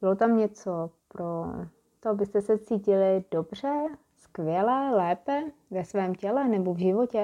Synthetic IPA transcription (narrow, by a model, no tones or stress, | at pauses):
bɪlot̪amɲɛt͡sopɾo | t̪oabɪst̪ɛsɛt͡siːcɪlɪdo̞br̝ɛ | skvjɛlɛːlɛːpɛvɛsvɛːmcɛlɛnɛbovʒɪvocɛ